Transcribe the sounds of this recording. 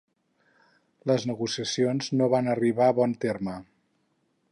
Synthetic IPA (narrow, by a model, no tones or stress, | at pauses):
ləznəɣusiəsionznoβanəriβaəβɔnt̪ermə